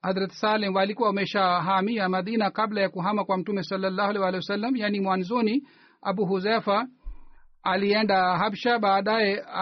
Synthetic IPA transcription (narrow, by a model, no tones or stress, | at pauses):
hazɾatɛ̥salɛmwalikuwaumɛʃaɦamiamaðinakablajakuɦamakwam̩tumɛsalːalːaːhualɛwalɛjwasalːamjaːnimwanzɔni | a̰ɓuɦuzɛfa | aliɛndaɦamʃaɓaːɗajɛ